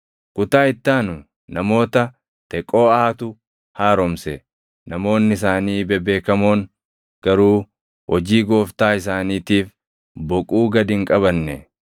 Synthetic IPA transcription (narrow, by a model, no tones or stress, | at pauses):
kʊt̪aːɪt̪ːaːnʊ | nɐmo̞ːt̪ɐ | t̪ɛkʼːo̞ːaːt̪ʊ | haːɾɔmsɛ | nɐmo̞ːnːɪɪs̬aːniːbɛbe̞ːkɐmoːŋ | ɡ̥ɐɾuː | hɔd͡ʒiːɡo̞ːft̪aːɪs̬aːniːt̪iːf | bɔkʼuːɡɐd̪ɪŋkʼɐβɐnːɛ